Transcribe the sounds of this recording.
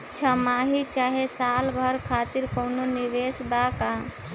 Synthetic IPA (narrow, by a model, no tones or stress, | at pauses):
t͡ʃʰəmaːɦit͡ʃaːɦesaːlbʱəɾkʰaːt̪iɾkənoniʋesbaka